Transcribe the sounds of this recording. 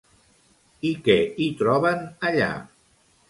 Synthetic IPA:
ikɛit̪ɾɔβənəʎa̰

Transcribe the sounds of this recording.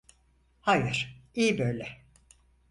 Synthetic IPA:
hajɯɾ̥ijibøjlʲɛ

